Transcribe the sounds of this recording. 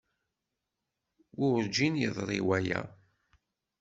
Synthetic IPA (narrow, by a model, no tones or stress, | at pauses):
wʊɾd͡ʒinjəðˤɾˤḭwæjæ̰